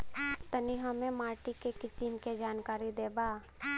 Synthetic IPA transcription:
t̪əniɦɐmẽmaːɾʈikekɪsimked͡ʒaːnkaːɾid̪eːbaː

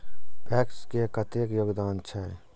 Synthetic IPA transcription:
pʰɛːkskekət̪eːkjoːɡd̪aːnt͡ʃʰəɦ

